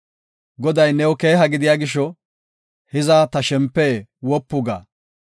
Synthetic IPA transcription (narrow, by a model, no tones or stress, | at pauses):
ɡɔd̪ɐjnɛwɔke̞ːɦɐɡɪd̪ɪjaːɡɪʃːɔ | hɪzaːt̪ɐʃɛmpːɛwɔpːʊɡa̰ː